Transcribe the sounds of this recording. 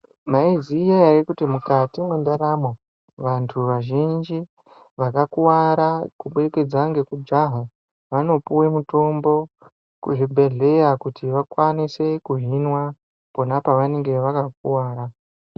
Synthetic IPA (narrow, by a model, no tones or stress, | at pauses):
maizijaaɾikutimukatimundaɾamo | ʋantʰuʋaʒind͡ʒi | ʋakakuwaɾakuɓeeke̞d͡zaŋɡe̞kud͡ʒaɦa | ʋano̞puwemuto̞mbo̞ | kuʐibʱe̞ɮe̞jakutiʋakwanise̞kuɦinwa | ponapaʋane̞ŋɡe̞ʋakak̚uwaːɾa